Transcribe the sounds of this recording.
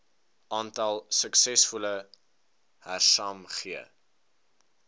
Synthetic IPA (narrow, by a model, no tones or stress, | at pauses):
ʔɑːntɐlˠsəksɛsfulə | hærsɑːmχiə